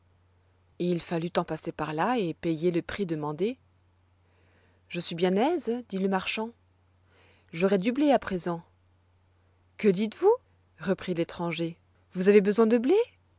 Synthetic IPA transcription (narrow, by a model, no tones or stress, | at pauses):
ilfalyt̪ɑ̃pasepaʁlaepejeləpχid̪əmɑ̃d̪e | ʒəsɥibjɛ̃nɛzd̪iləmaʁʃɑ̃ | ʒɔʁɛd̪ybleapχezɑ̃ | kəd̪it̪vu | ʁəpχilet̪χɑ̃ʒe | vuzavebəzwɛ̃d̪əble